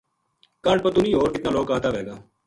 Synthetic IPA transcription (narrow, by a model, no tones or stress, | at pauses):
kaːɾɖ̚pət̪ʊniːɦoːɾkɪt̪nãːloːkaːt̪aːʋeːɡaː